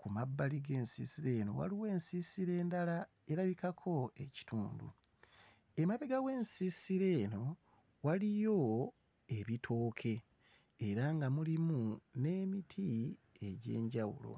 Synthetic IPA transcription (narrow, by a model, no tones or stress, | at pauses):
kumabːaliɡe̞ːnsḭsiɾe̞no̞̰wa̰liwe̞ːnsisiɾe̞ːndala | e̞ɾaβikakʰo̞e̞ci̥tʰuːndṵ | e̞maβeɡawe̞ːnsisiɾe̞no̞ | walijo̞ | e̞βitʰo̞ːkʰeː | ɾaŋɡamulimune̞ːmitʰi | e̞ɟe̞̰ːɲɟawṵlo̰